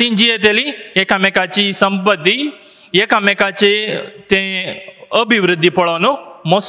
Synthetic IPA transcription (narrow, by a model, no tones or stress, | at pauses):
t̪ĩnd͡ʒiet̪̬eliekamekat͡ʃisə̃mpət̪ːi | ekamekat͡ʃet̪ẽ | əbʱiʋɾɪd̪ʱːipɐɭanõmos